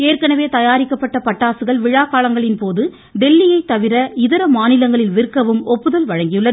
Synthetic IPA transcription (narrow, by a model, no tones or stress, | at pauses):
eːrkɐnɐʋeːt̪ɐjaːɾɪkːɐpːɐʈːɐpɐʈːaːsɯɣɐɭʋɪɻaːkːaːlɐŋɡɐɭɪnpoːðɯ | ɖɛlːɪjɐɪt̪ːɐʋɪɾɐɪðɐɾɐmaːnɪlɐŋɡɐɭɪlʋɪrɯkːɐʋɯmɔpːɯðɐlʋɐɻɐŋɡɪjɯɭːɐðɯ